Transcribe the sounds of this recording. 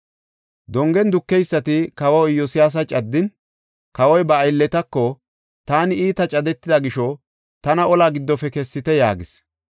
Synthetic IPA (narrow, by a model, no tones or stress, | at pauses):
d̪ɔŋɡɛnd̪ʊkːɛjsːɐt̪ɪkɐwɐwjɔsɪjaːs̬ɐt͡ʃʼɐd̪ːɪn | kɐwɔjbɐːjlːɛt̪ɐkːɔ | t̪aːnɪiːt̪ɐt͡ʃʼɐd̪ɛt̪ːɪd̪ɐɡɪʃɔ | t̪ɐnɐɔlaːɡɪd̪ːɔfɛkɛsːɪt̪ɛja̰ːɡɪs